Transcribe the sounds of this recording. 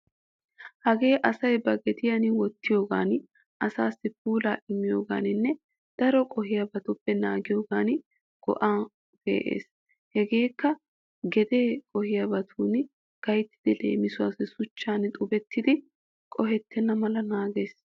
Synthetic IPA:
hɐɡe̞ːʔɐsɐjbɐɡɛd̪ɪjɐnɪwɔt̪ːɪjo̞ːɡa̰ːn | ʔɐsaːsːɪp̚uːlaːʔɪmːɪjo̞ːɡa̰ːnɪnːɛ | d̪̥ɐɾɔkʼɔhɪjɐbɐt̪ʊbːɛnaːɡɪjo̞ːɡaːn | ɡ̥ɔ̰ʔaː | b̥ḛːʔḛːs | hɛɡe̞ːkːɐ | ɡɛd̪e̞ːkʼɔhɪjɐbɐt̪ʰuːn | ɡ̥ɐjt̪ːɪ̥d̪ɪlḛːmɪsʊwa̰ːsɪsʊt͡ʃːaːnt̪ʼʊbɛt̪ːɪd̪ɪ | kʼɔɦɛt̪ʰːɛnːɐmɐlɐnaːɡeːs

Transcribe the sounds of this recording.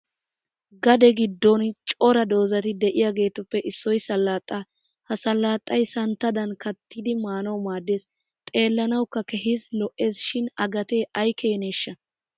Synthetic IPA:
ɡɐd̪ɛɡɪd̪ːɔnt͡ʃʼɔɾɐd̪o̞ːzɐt̪ɪd̪ɛʔɪjaːɡe̞ːt̪ʊpːɛʔɪsːɔjsɐlːaːt̪ʼːa | hɐsɐlːaːt̪ʼːɐjsɐnt̪ːɐd̪ɐnkɐt̪ʰːid̪ɪmaːnɐwmaːd̪ːeːs | t̪ʼe̞ːlːɐnɐwkːɐkɛɦɪzlɔʔːe̞ːsʃɪnɐɡɐt̪e̞ːʔɐjkeːneːʃːɐ

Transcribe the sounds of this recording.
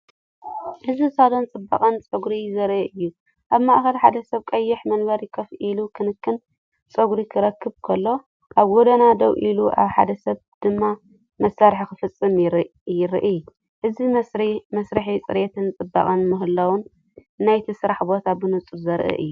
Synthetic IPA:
ʔɨzisad̪ont͡sʼɨbːa̰kʼɐnt͡sʼɐɡɾizɐɾʔɨʔɨjːu | ʔaβmɐʔxɐlħad̪ɐsɐβkʼɐjːɪħmɐnbɐɾjɪkʰɐfʔilukʰɨnɨkːɨn | t͡sʼɐɡɾikʰɨɾɐkʰːɨβkʰɐlːo̞ | ʔaβɡɔd̪ɐnad̪ɐwʔiluʔa̰βħa̰d̪ɐsɐβ | d̪̥ɨmːa | mɐsːaɾħikɨfɨt͡sʼːɨmɾ | jɪɾɨ̰ʔɨ | ʔɨzimɐsɾɨħit͡sʼɨɾet̪ʰɨnt͡sʼɨbːa̰kʼɐnmɨɦɨlɐwʊnː | ajt̪ʰisɨɾaħbo̞t̪ʰabɨnɨt͡sʼɨɾzɐɾʔɨ̰ʔɨ̰jːu

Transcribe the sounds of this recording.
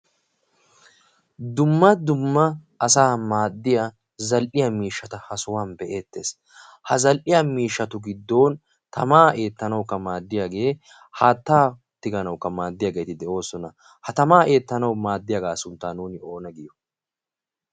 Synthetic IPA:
d̪ʊmːɐd̪ʊmːɐ | ɐsaːmaːd̪ːɪjɐ | zɐlʔɪjɐmiːʃːɐt̪ɐhɐsʊwaːnbɛʔe̞ːt̪ːe̞ːs | hɐzɐlʔɪjamiːʃːɐt̪ʊɡɪd̪ːo̞ːn | t̪ɐmaːʔe̞ːt̪ːɐnɐwkːɐmaːd̪ːɪjaːɡe̞ː | haːt̪ːaː | t̪ːɪɡɐnɐwkːɐmaːd̪ːɪjaːɡe̞ːt̪ɪd̪ɛʔo̞ːsɔnɐ | hɐt̪ɐmaːe̞ːt̪ːɐnɐwmaːd̪ːɪjɐɡaːsʊnt̪ːaːnuːnɪo̞ːnɐɡɪjɔ

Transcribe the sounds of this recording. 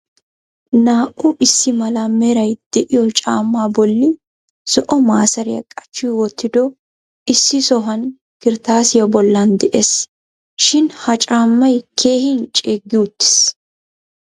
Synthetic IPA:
naːʔʊɪsːɪmɐlɐmɛɾɐjd̪̥ɛʔɪjɔt͡ʃʼaːmːaːbɔlːɪ | sɔʔɔmaːsɐɾɪjɐ̰kʼɐ̥t͡ʃːʊjwɔt̪ːɪd̪ɔ | ɪsːɪsɔɦɐn | kɪɾt̪aːsɪjɔbɔlːɐnd̪ɛʔes | ʃɪnhɐt͡ʃʼaːmːɐjkʰe̞ːhɪnt͡ʃʼeːɡːɪʊt̪ːɪ̥s

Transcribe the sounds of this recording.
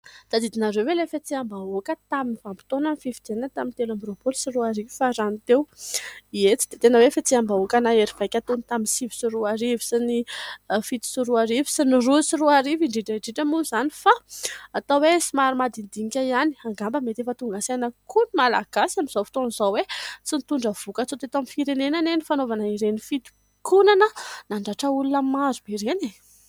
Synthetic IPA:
d̪̥ad̪id̪inaɾewwelefet͡siambaokət̪aminivampi̥t̪onanififid̪enat̪amint̪elambɾopolsiruaɾivifaɾanit̪ewiet͡si̥d̪et̪enəwefet͡siambaokanaeɾiv̥ajkʲat̪ont̪aminsivi̥siɾuaɾivi̥sinifit̪i̥siɾuaɾivi̥sinirusiɾuaɾiviɳɖ͡ʐiʈ͡ʂəiɳɖ͡ʐiʈ͡ʂəmuzanifaːt̪awesimaɾimad̪ind̪iŋkʲaiani̥aŋɡambəmet̪efət̪uŋɡasenəkʰunimala̰ɡ̥asamiz̥ofi̥t̪onizawet͡sint̪uɳɖ͡ʐəv̥ukət͡sot̪et̪amifiɾenenanenifanovanaiɾenifit̪i̥ | kunanənaɳɖ͡ʐaʈ͡ʂəulunəmazubeɾene

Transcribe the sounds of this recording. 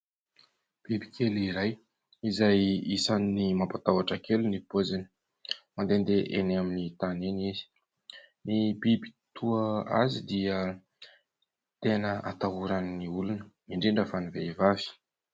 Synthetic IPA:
b̥ibi̥kʰeliɾaj | izajisanːimampat̪awaʈ͡ʂakelunipozini̥ | mand̪end̪eʔenaminit̪anenizi̥ | nibibi̥t̪uəa̰zid̪iə | t̪enəa̰t̪aɦuɾanniulunəmiɳɖ͡ʐiɳɖ͡ʐəfaniveivavi̥

